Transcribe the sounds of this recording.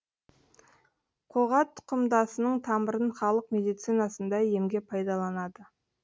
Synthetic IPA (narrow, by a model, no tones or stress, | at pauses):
qʰoʁɑt̪ʰːʊ̥qəmd̪ɑsənəɴt̪ʰɑməɾənχɑlˠəqme̞d̪ijt̪sinɑsənd̪ɑje̞mɡʲe̞pʰɑjd̪ɑlˠɑnɑd̪ə